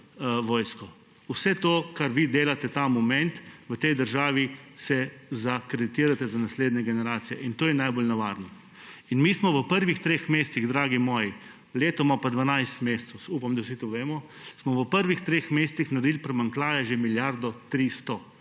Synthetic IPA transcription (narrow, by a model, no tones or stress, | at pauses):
ʋɔːjskɔ | usɛt̪okaɾʋid̪eːlat̪ɛt̪amɔmɛnt̪ʋət̪ɛjd̪əɾʒaːʋisɛzakɾed̪it̪iːɾat̪ɛzanasleːd̪nʲɛɡɛnɛɾaːt̪sijɛʔint̪oːjɛnajbolnaʋaɾni | inmiːsmɔʋəpəɾʋixt̪ɾeːxmeːst̪siɣd̪ɾaːɡimɔːji | leːt̪ɔmapad̪ʋanajst̪meːst̪səsuːpamd̪awsit̪oʋeːmɔ | smɔʋəpəɾʋixt̪ɾeːxmeːst̪sixnaɾd̪iːlpɾɛmaŋklaːjɛʒemiljaɾd̪ɔt̪ɾist̪ɔ